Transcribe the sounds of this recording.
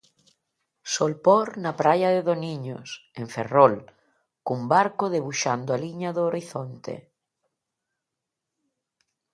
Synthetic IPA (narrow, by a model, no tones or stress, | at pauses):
solpoɾnapɾajaðeðoniɲo̰sẽɱfḛrɔl | kumbaɾkoðeβuʃand̪oaliɲaðoːɾiθont̪ḛ